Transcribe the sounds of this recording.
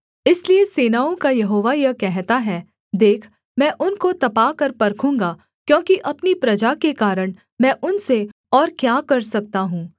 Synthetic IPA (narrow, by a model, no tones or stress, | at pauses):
ɪslieseːnaːõkajɐɦoːʋajɐkɛɦt̪aɦɛː | d̪eːkʰ | mɛ̃ːʔʊnkot̪ɐpaːkɐɾpɐɾkʰũːŋɡa | kjõːkiʔɐpnipɾɐd͡ʒakekaːɾəɽ̃ | mɛ̃ːʔʊnse | ɔːɾkjaːkɐɾsɐk̚t̪aɦũː